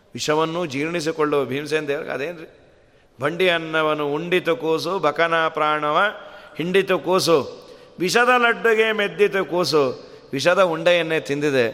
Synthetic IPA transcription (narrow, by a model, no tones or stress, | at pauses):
ʋiʂɐʋɐnːud͡ʒiːɾɳis̬ikoɭːubʱiːms̬end̪eːɾɐ̰ɡ̰ɐ̰d̪eːnɾi | bʱɐɳɖijɐnːɐʋɐnuuɳɖit̪ukuːs̬ubʱɐkɐnaːpɾaːɳɐʋɐhiɳɖit̪ukuːs̬uʋiʃɐd̪ɐlɐɖːuɡemed̪jit̪ukuːs̬u | ʋiʃɐd̪ɐuɳɖɐjɐnːet̪ind̪id̪e